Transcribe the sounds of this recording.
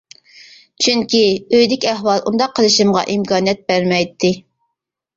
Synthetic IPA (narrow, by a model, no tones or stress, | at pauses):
t͡ʃʰyŋkʲiøjd̪ɪkʲæhwɑlˠṵnd̪ɑqʰːəlˠɨʃɨmʁɑ̰ʔimkɑːnijɛt̪̚bæɾmɛjt̪ʰːɪ